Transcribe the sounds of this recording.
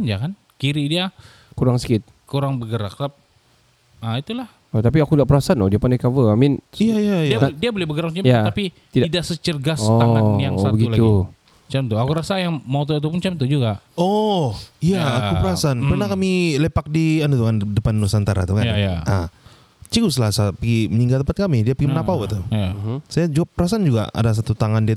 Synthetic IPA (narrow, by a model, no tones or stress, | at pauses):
nd͡ʒakan | kiɾidia | kuɾaŋsə̥kɪt̪̚ | kuɾaŋbəɡəɾak̚tap̚ | əit̪ulah | ot̪ap̬iakuŋɡaʔpəɾasanodiapanakavəamɪnijaijajiadiabolɛhbəɡəɾakst͡ʃamjaapi | t̪idaidaʔsət͡ʃərɡasɔaajaŋsabəɡiulau | t͡ʃamt̪uakuɾasajaŋmat̪oat̪̬up̬ʊnt͡ʃɛmt̪ud͡ʒuɡaɔ | ijaːkupəɾasanpərnahkamilepak̚dianut̪ukandəpandusant̪aɾa̰t̪ukajajaʔa̰ | t͡ʃikusəlasapəɡiməɲiŋɡalt̪əmpat̪̚kamidiapəɡimənapauat̪ujasajad͡ʒuap̚pəɾasand͡ʒuɡa̰a̰das̬at̪ut̪aŋandia